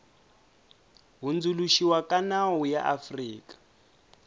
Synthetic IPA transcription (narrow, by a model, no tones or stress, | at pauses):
ɦund͡zuluʃiwakanawuja̰ʔafriːkʼḁ